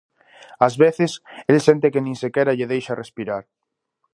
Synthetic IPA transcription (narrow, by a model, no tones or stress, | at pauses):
azβeθɪseðsent̪ekenĩŋsekɛɾaʎeðejʃarespiɾaɾ